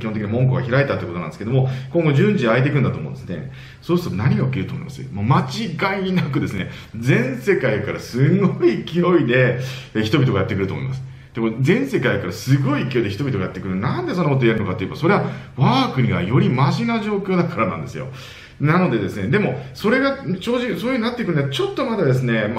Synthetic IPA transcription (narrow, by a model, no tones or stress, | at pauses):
kʲihõt̪eiɲimõ̞ŋk̬oɡaçiɾait̪ːat̪o̞jɯ̟koonã̰nesɨ̥keomo̞kõ̞ŋɡo̞ʑɨ̃ɲd͡ʑiaet̪e̞k̬ɯ̟̃nd̪at̪oːmõnd̪esɨne̞̰ | so̞ːsɨ̥t̪onaɲ̟iɡaɯ̟kʲeɾt̪omoḭmasɨmomat͡ɕiɡainakɯ̟d̪e̞sɨne̞ | d͡zẽ̞ɰ̃se̞kaikaɾasɨɡoikʲio̞id̪e̞ | çi̥t̪o̞bʲit̪o̞ɡajat̪ːekɯɾɯ̟t̪o̰ːmoḭmasɨ̥ | d̪̥e̞mo̞zẽ̞ɰ̃se̞kaikaɾasɨɡo̞iːkʲijo̞id̪eçit̪o̞bʲit̪oajat̪ːe̞kɯ̟ɾɯnãnd̪e̞so̞nːokot̪ojaɾɯ̟no̞kat̪ːeiɯbaso̞ɾe̞βaβaːkɯ̟ɲ̟iɡa̰jo̞ɾʲimaʑinaʑo̞ːkʲoːd̪akaɾanã̰nd̪e̞sɨjo̞̰ | nano̞d̪e̞d̪e̞sɨned̪e̞mo̞so̞ɾe̞ɡat͡ɕo̞ːʑisoːjɯ̟inat̪ːe̞ikɯ̟nɡat͡ɕo̞t̪ːo̞mad̪ad̪e̞s̬ɨne̞m